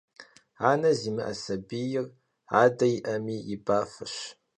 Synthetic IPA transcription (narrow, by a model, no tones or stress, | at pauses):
aːnɐziːmɨʔɐ̰sɐbijɪr | a̰ːdɐjiʔɐmiːjɪbaːfɨɕ